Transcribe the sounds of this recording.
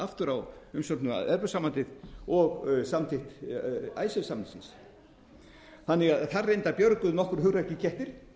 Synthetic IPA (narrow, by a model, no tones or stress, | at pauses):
aft̪ʏɾawʏmsœpnʏma̰ɛðpœsamːant̪ɪðɔɣsamt̪ʰɪht̪a̰ːjsɛvsamnɪ̥sins | θanːɪɣaðθarːejnt̪apjœɾkʏðnɔhkʏɾ̥hʏɣɾaɾcɪcʰɛht̪ɪɾ̥